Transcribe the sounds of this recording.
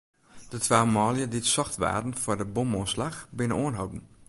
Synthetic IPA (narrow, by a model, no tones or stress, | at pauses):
d̥ətʋaːmɔːljəditsɔxtʋa̰ːdn̩fʊrdəbomonslaxbɪnənoənɦowdn̩